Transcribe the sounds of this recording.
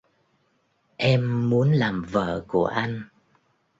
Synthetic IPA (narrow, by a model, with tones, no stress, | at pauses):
ʔɛ˧mːu˨˦ənlaː˨˩mvə̰ː˧˨ku˧˩əʔa˧jŋ̟